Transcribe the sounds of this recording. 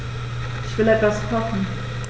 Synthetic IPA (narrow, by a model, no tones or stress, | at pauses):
ʔɪçv̥ɪlɛtv̥askʰɔfn̩